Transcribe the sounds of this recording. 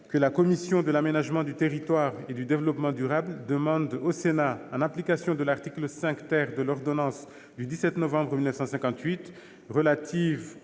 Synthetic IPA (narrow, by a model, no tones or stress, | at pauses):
kəlakɔmisjɔ̃d̪əlamenaʒmɑ̃d̪yt̪eʁit̪waʁed̪yd̪evəlɔpmɑ̃d̪yʁabld̪əmɑ̃d̪osenaɛ̃nɛ̃plikasjɔ̃d̪əlaʁt̪ikləsɛ̃kt̪ɛʁd̪əlɔʁd̪ɔnɑ̃s | d̪yd̪isɛt̪nɔvɑ̃bʁəmilnəfsɑ̃sɛ̃kɑ̃t̪ɥit̪ | ʁəlat̪ʰiv